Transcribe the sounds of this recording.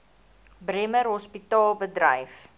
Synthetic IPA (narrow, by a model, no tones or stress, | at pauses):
bremərɦɔspitɑːlˠbədrə̰jf